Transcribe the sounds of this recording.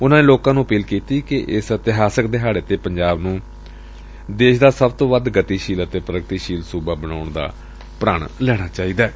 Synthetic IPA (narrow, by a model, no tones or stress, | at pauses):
ʊnãːneːloːkãːnũːəpiːlkiːt̪iːkɪʔɪsət̪ɪɦaːsək̚d̪eːɦaːɽeːt̪eːpəɲd͡ʒaːbnũː | d̪eːʃd̪aːsəbt̪õːʋəd̪ɡət̪iːʃiːlət̪eːpəɾəɡt̪iːʃiːlsuːbaːbənaːʊɳd̪a̰ː | pɾaːɳlɛːɽ̃aːt͡ʃaːiːd̪aː